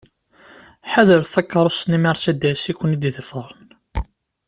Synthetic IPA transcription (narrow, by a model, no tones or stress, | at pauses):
ħaðəɾθækːɑɾˤosnimiɾˤsæd̪æsikʷːənid̪iðəfəɾˤən